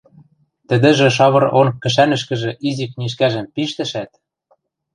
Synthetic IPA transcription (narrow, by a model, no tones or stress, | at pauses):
t̪ɘ̆d̪ɘ̆ʒĕʃ̬ɑβɤ̆ɾonkːɘ̆ʃ̬ænɘ̆ʃkɘ̆ʒĕʔizikniʃ̬kæʒɘ̆mpiʃt̪ɘ̆ʃæt̪̚